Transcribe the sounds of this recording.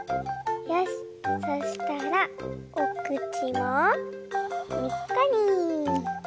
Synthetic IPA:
jaɕ | soɕi̥t̪aɾaokɯ̟t͡ɕimo | ɲikːaɲ̟i

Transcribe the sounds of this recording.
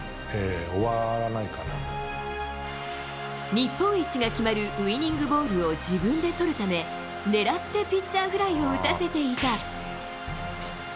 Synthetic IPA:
eoβaɾanaikana̰ | ɲ̟ʲipːõɰ̃it͡ɕiɡakʲimaɾɯ̟ʔɯ̟iɲ̟ʲĩŋɡɯ̟bo̞ːɾɯ̟o̞d͡ʑibɯ̟̃nd̪e̞t̪o̞ɾɯ̟t̪ame̞ | ne̞ɾat̪ːe̞pʲit͡ɕt͡ɕːaːɸɯ̟ɾaio̞ɯ̟t̪ase̞t̪e̞it̪a

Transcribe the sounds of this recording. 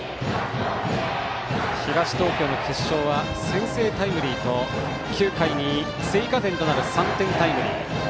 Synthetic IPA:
çiɡaɕi̥t̪o̞ːkʲo̞ːno̞kʰe̞ɕːo̞ːβa | sẽ̞ɰ̃se̞ːt̪aimɯ̟ɾʲiːt̪o̞ | kʲɨːkaiɲ̟i | seikat̪ẽnt̪o̞naɾɯ̟sãnt̪ẽ̞nt̪aimɯ̟ɾʲḭː

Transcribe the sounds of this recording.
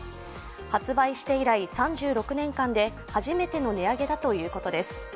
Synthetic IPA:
hat͡sɨbaiɕi̥t̪e̞iɾaisãɲ̟d͡ʑɨːɾo̞kɯ̟nẽ̞ŋkãnd̪e̞ | haʑime̞t̪e̞no̞ne̞aɡe̞d̪at̪o̞jɯ̟ːko̞t̪o̞d̪e̞sɨ̥

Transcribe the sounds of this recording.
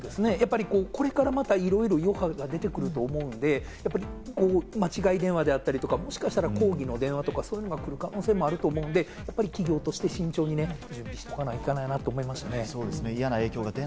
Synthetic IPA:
d̪esɨne̞japːaɾʲiko̞ːko̞ɾe̞kaɾamat̪aiɾo̞iɾo̞jo̞haɡad̪e̞t̪e̞kɯ̟ɾɯ̟t̪o̞ːmo̞ɯ̟̃nd̪e̞ | japːaɾiko̞ːmat͡ɕiɡaid̪ẽɰ̃βad̪e̞at̪ːaɾʲit̪o̞kamo̞ɕi̥kaɕi̥t̪aɾako̞ːɡʲino̞d̪ẽ̞ɰ̃βat̪o̞kasoːjɯ̟no̞ɡakɯ̟ɾɯ̟kano̞ːse̞ːmo̞aɾɯ̟t̪o̞ːmo̞ɯ̃nd̪e̞japːaɾʲikʲiɡʲo̞ːt̪o̞ɕi̥t̪e̞ɕĩɲ̟t͡ɕo̞ːɲ̟ine̞d͡ʑɨ̃mbʲiɕi̥t̪o̞kanaikanajnat̪ːo̞ːmoimasɨ̥ane̞soːd̪esɨneijanae̞ːkʲo̞ːɡat̪e

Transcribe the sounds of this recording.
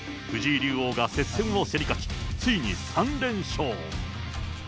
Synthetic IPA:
ɸɯ̟ʑiːɾʲɨːo̞ːɡase̞t͡ssemɯ̟oseɾʲikat͡ɕi̥t͡sɨiɲ̟isãnɾẽ̞ɰ̃ɕoː

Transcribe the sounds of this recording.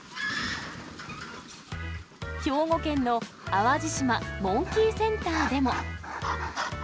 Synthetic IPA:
ço̞ːŋo̞kẽ̞nːo̞ | aβad͡ʑiɕimamõ̞ŋkʲiːsẽ̞nt̪aːd̪e̞mo̞

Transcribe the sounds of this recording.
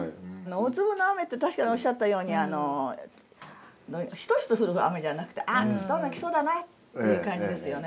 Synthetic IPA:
anoot͡sɨbɯ̟no̞ame̞t̪ːe̞t̪aɕi̥kaɲ̟io̞ɕiːat̪ːajo̞ːɲ̟iano̞ | d̪oɕi̥t̪o̞çi̥t̪oɸɯ̟ɾɯ̟ɯa̰me̞danakɯ̟̥t̪eʔasi̥sonakʲi̥so̞ːd̪anaitt̪ːe̞jɯ̟kãɲ̟d͡ʑid̪e̞sɨjo̞ne

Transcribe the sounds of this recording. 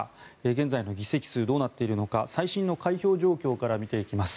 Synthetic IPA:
eɡẽ̞nd͡zaino̞ɡʲise̞kʲi̥sɨːd̪o̞ːnat̪ːe̞iɾɯ̟no̞kasaiɕĩnːo̞kaiço̞ːʑo̞ːkʲo̞ːkaɾamʲit̪e̞ikʲimasɨ̥

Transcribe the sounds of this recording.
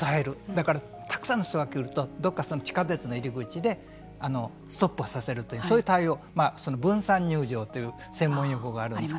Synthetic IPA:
saeɾɯ̟d̪akaɾa | t̪ʰḁkɯ̟sãnːo̞ɕi̥t̪oɡakʲeɾɯ̟t̪o̞d̪o̞kːaso̞not͡ɕi̥kat̪e̞t͡sɨno̞iɾʲiɡɯ̟t͡ɕid̪e̞ | ano̞ | sɨ̥t̪o̞pːɯ̟asase̞ɾɯ̟t̪ːojisoːjɯ̟t̪aio̞ː | maːso̞nobɯ̟̃ɰ̃sãɲ̟ːɨːʑo̞ːt̪ːe̞jɯ̟ː | sẽ̞mːõ̞joko̞ɡaːɾɯ̟nd̪

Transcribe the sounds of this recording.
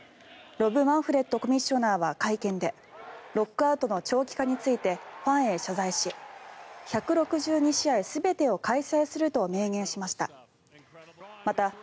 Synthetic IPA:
ɾo̞bɯ̟mãɰ̃ɸɯ̟ɾe̞t̪ːo̞ko̞mʲĩɕːo̞naːβakaikẽ̞nd̪e̞ | ɾo̞kːɯ̟aɯ̟t̪o̞no̞t͡ɕo̞ːkʲi̥kaɲ̟it͡sɨit̪e̞ɸãɰ̃e̞ɕazaiɕi | çakɯ̟ɾo̞kɯ̟ʑɨːɲ̟iɕiaisɨbe̞t̪e̞o̞kaisaisɨɾɯ̟t̪o̞me̞ːɡẽ̞ɰ̃ɕimaɕi̥t̪a̰ | mat̪a

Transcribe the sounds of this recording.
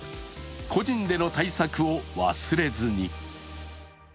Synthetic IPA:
kʰo̞ʑĩnd̪e̞no̞t̪aisakɯ̟o̞βa̰sɨɾe̞zɨɲ̟i

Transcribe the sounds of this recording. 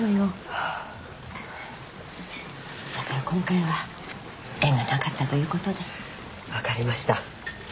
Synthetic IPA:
nojoa | d̪̥akaɾakõ̞ŋkaiβa | ẽ̞ŋɡanakat̪ːat̪o̞jɯ̟ːko̞t̪o̞d̪e | βakaɾʲimaɕi̥t̪a

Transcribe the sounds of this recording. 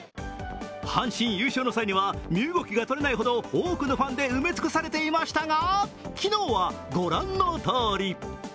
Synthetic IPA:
hãɰ̃ɕĩɰ̃jɯ̟ːɕoːno̞saiɲ̟iβamʲɨːɡo̞kʲiɡat̪o̞ɾe̞naiɦo̞d̪o̞oːkɯ̟no̞ɸãnd̪e̞ɯme̞t͡sɨ̥kɯ̟̥saɾe̞t̪e̞imaɕi̥t̪aɡakʲino̞ːβaɡo̞ɾãnːo̞t̪o̞ːɾʲi

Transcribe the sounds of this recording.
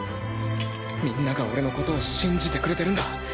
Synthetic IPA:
mʲĩnːaɡao̞̰ɾe̞no̞ko̞t̪o̞ːɕĩɲd͡ʑit̪e̞kɯ̟ɾe̞t̪e̞ɾɯ̟̃nd̪a

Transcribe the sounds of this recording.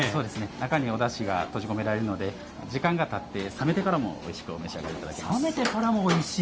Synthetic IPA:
so̞ːd̪e̞sɨne̞nakaɲ̟io̞d̪aɕiɡa̰t̪o̞ʑiko̞me̞ɾaɾe̞ɾɯno̞d̪e̞ | d͡ʑikãŋɡat̪at̪ːe̞same̞t̪e̞kaɾamo̞̰o̰iɕi̥kɯ̟o̰me̞ɕia̰ɡa̰ɾet̪ad̪akʲeame̞t̪e̞kaɾamo̞ːiɕiː

